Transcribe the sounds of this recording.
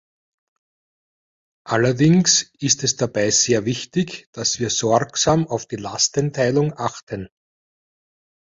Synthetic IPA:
ʔalɐdɪŋsɪstɛsd̥ab̥aɪz̥eːɐvɪçtɪçd̥asv̥iːɐz̥ɔksaːmɑʊfd̥iːla̰stəntʰaɪlʊŋʔaxtʰən

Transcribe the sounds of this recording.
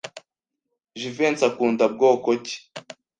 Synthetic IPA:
ʒivent͡sakuːndab̚ɡoːkoci̥

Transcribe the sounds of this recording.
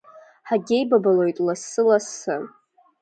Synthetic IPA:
ħaɡʲejbabalojtʼlasɨlasɨ

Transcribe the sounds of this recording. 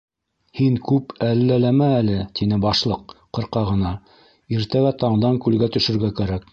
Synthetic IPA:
hiŋkʉpælːælæmæːlɘt̪inɘbɑʃlˠɤq̚qːɤ̆ɾqɑʁɤ̆nɑ | iɾt̪æɡæt̪ɑɴd̪ɑŋkʉlɡæt̪ɵ̆ʃɵ̆ɾɡækæɾæk̚

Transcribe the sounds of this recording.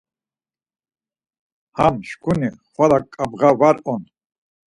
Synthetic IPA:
hamʃkʰuniχwalakʼːabʁavaɾɔn

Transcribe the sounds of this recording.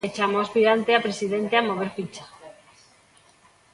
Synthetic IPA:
et͡ʃamoaspiɾant̪eapɾesiðent̪eamoβ̞eɾfit͡ʃḁ

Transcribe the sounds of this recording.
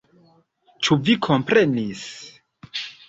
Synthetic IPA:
t͡ʃuvikʰo̞mpɾe̞nis

